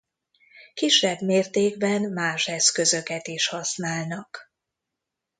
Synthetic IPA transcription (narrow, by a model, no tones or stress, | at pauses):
kiʃːɛbmeːrt̪eːɡbɛnmaːʃɛskø̞zø̞kɛt̪iʃhɒsnaːlnɒk